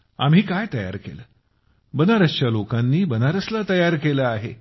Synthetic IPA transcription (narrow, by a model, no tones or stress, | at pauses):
am̤ɦiːkajt̪əja̰ɾkeləː | bənaɾəɕt͡ɕjalokanːiːbənaɾəslat̪əjaɾkeləaɦe